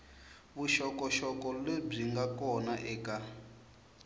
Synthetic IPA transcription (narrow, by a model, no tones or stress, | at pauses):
βuʃɔkɔʃɔkɔleb͡ʐiŋɡakɔnaʔɛːka